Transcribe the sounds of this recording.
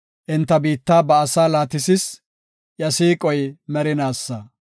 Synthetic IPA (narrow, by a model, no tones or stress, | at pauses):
ʔɪnt̪ːɐbiːt̪ːaːbɐːsaːlaːt̪ɪsɪs | jɐsiːkʼɔjmɛɾɪnaːsːɐ